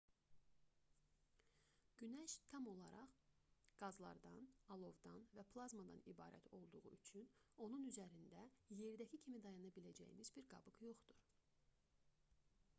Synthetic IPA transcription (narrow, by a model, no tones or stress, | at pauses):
ɟ̥ynæʃt̪ʰɑmo̞lˠɑɾɑʁɡ̥ɑzlˠɑ̰ɾd̪ɑnɑlˠo̞vd̪ɑnvæpʰlˠɑzmɑd̪ɑ̰nibɑ̰ːɾæ̰t̪ʰo̞lˠd̪uʁṵyt͡ʃʰyno̞nunyzæɾind̪æje̞ɾd̪æcʰicʰimid̪ɑjɑnɑbilæd͡ʒæ̰jḭnizbiɾɡɑbɯɡjo̞χd̪uɾ